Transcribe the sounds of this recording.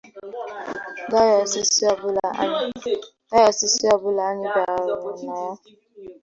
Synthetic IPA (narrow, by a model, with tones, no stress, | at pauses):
ɡa˦ja˨si˦si˦a˨bʊ˦la̰˨˦ | ɡa˦ja˨si˦si˦a˦˨bʊ˦la˨a˦ɲɪ˦ba˨ɾʊ˨na˨ja˦